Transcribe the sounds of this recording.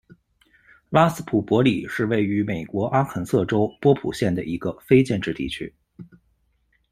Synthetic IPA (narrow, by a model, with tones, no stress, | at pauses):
la˥sɹ̩˥pʰu˨˩pwɔ˧˥li˨˩ʂɻ̩˥˧we˥˩ɪy˧˥me˨˩ɪkwɔ˧˥ʔa˥xʰə˧˥nsɤ˥˩ʈ͡ʂo˥ʊpwɔ˥pʰṵ˨˩ɕjɛ˥˩nd̪ə˩ʔi˧˥ɡə˧fe˥ɪt͡ɕjɛ˥˧nʈ͡ʂɻ̩˥˧t̪ḭ˥˩t͡ɕʰy̰˥